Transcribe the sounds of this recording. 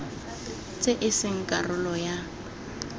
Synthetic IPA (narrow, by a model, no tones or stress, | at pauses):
t͡sʼeʔɪsɪŋ̩kʼarʊlɔja